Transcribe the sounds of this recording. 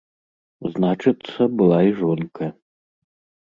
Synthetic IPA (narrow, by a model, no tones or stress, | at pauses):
znat͡ʂɨt̪sːɐbɨlˠaiʐɔnkʰɐ